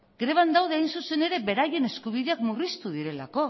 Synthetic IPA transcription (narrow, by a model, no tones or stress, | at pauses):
ɡ̥ɾe̞β̞and̪awðeajnsuse̞ne̞ɾe̞be̞ɾaje̞ne̞skuβ̞iðe̞akmurist̪uðiɾe̞la̰ko̞